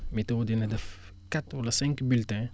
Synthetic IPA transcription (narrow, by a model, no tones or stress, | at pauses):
mitɐwdinɐdɐf | katwɐlɐsɛ̃ŋkbyltɛ̃